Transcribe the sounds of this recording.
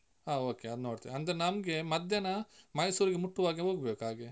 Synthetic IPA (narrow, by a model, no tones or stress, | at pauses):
aːoːkeɐd̪unoːɽt̪ḭɐnd̪ɐɾenɐmɡe̞mɐd̪ʱjɐnɐmɐjsuːɾiɡemuʈːuʋaːɡeɦoːɡbeːkuɦaːɡe